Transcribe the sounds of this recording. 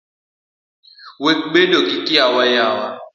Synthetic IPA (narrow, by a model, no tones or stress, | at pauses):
wekɡ͡bedokikʼiawajawa